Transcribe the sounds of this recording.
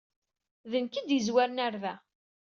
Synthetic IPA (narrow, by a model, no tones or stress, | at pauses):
ðənkid̪izwæɾnæɾvæ